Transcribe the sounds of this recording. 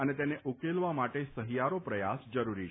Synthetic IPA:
ənet̪eneʔukelʋamaʈesəɦijaɾopɾəjasd͡ʒəɾuɾi

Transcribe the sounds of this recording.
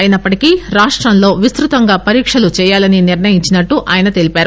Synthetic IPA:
ɐjinɐpːɐʈikiːɾaːʂʈɾɐnlo̞ːʋist̪ɾut̪ɐŋɡaːpɐɾiːkʂɐlut͡ʃɛːjaːlɐniniɾnɐjiɲt͡ʃinɐʈːuʔa̰ːjɐnɐt̪e̞lipaːɾu

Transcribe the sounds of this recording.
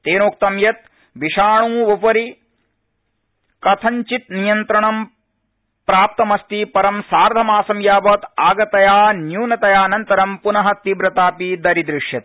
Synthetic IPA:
t̪eːnoːk̚t̪ɐmjɐt̪̚ | ʋiʃaːɳũːupɐɾi | kɐt̪ʰɐɲt͡ʃit̪nijɐnt̪ɾɐɳɐm | pɾaːp̚t̪ɐmɐst̪ipɐɾɐmsaːɾd̪ʱɐmaːsɐmjaːbɐːt̪aːɡɐt̪ɐjaːnjuːnɐt̪ɐjaːnɐnt̪ɐɾɐmpunɐɦɐt̪ibɾɐt̪aːpid̪ɐɾid̪ɾɪʂjɐt̪̚

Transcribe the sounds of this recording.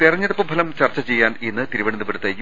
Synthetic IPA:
t̪irɐɲːɐðɐpːɐmpɐlɐmt͡ɕɐrt͡ɕːɐt͡ɕe̞jːaːnenːɨt̪iɾiʋɐɳɐnːɨpeɽut̪ːɐ

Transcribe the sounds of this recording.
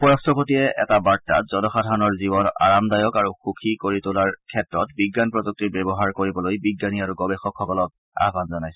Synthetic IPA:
pɔɹastɔpotijɛʔɛ̰tabaɹtːa̰tz̥ɔnɔxadʱanɔɹzibɔna̰ɹamdajɔkaɹuxukʰikoɹitʊlaɹkʰɛtɹɔtbiɡːanpɹɔzuk̚titbɛbɔɦaɹkoɹibɔlojbiɡːaniaɹuɡɔbɛxɔkxɔkɔlɔk̚ | a̰ɦbanzɔnajsɛ

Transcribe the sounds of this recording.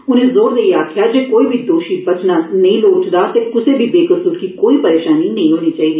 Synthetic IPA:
ʊnẽːzoːɾd̪eiaːkʰɪjaːd͡ʒeːkoːiːbʱid̪oːʃiːbɐt͡ʃnaːnə̃ĩloːʈd̪aːt̪eːkʊseːbʱiːbeːkəsuːɾkikoːiːpəɾeːʃaːninɐɦĩɦoːniːt͡ʃaːiːd̪iː

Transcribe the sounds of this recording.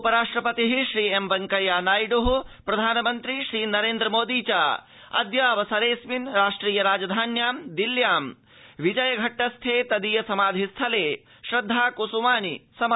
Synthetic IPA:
upɐɾaːʂʈɾɐpɐt̪iɦiʃɾiːemʋɐŋkɐjaːnaːjiɖuɦupɾɐd̪ʱaːnɐmɐnt̪ɾiʃɾiːnɐɾeːnd̪ɾɐmoːd̪iːt͡ʃaː | ɐ̰d̪jaːʋɐsɐɾeːsminɾaːʂʈɾiːjɐɾaːd͡ʒɐd̪ʱaːnjaːmd̪iljaːm | ʋid͡ʒɐjɐɡʱɐʈːɐst̪ʰeːt̪ɐd̪ijɐsɐmaːd̪ʱist̪ʰɐleː | ʃɾɐd̪ʱːaːkosumaːnisɐm

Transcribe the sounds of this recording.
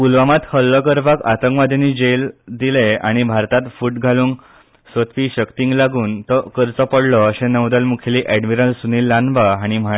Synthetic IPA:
pulʋamat̪həlːɔkəɾbʱakat̪əŋkʋad̪ʱenid͡ʑeld̪ileaɽ̃ibʱaɾt̪at̪fuːʈɡʱaluːŋ | sət̪ʰʋiːɕəkt̪iŋɡlaɡuːnt̪ɔkəɾt͡sɔpəɽlɔːɕẽnəwd̪əlmukʰeliʔɛɖmiɾəlsuniːlːanʋaaɽ̃im̤a

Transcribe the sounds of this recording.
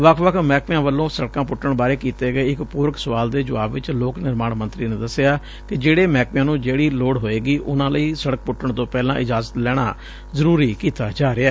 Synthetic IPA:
ʋəkʰʋəkʰmɛːkɪjãːʋəlːõːsəɽkãːpʊʈːəɳbaːɾeːkiːt̪eːɡəeːɪkpuːɾəksəʋaːld̪eːd͡ʒʊaːbʋɪt͡ʃloːknɪɾmaːɳmə̃nt̪ɾiːnẽːd̪əsɪaː | kɪd͡ʒeːɽeːmɛːkʋɪjãːnũːd͡ʒeːɽiːloːɽɦoːeːɡiːʔʊnãːləiːsəɽək̚pʊʈːəɳt̪õːpɛːlãːʔɪd͡ʒaːzət̪lɛːɽ̃a̰ː | zəɾuːɾiːkiːt̪aːd͡ʒaːɾeɛː

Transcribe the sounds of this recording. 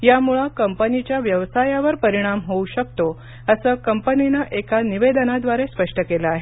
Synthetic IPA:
jamuɭakəmpənit͡ɕjaʋjəʋsajaʋəɾpəɾiɽ̃amɦouɕək̚t̪o | əsəkəmpəninəʔekaniʋed̪ənad̪ʋaɾespəʂʈəkeləaɦe

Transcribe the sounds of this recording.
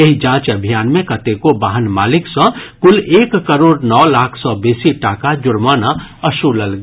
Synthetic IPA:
eɦid͡ʒãːt͡ʃəbʱijaːnmẽkət̪ekobaːɦənmaːlɪksə̃kʊleːkːəɾoːɽnɔːlaːkʰsɔbeːsiʈaːkad͡ʒʊɾmaːnaəʃuləlɡ

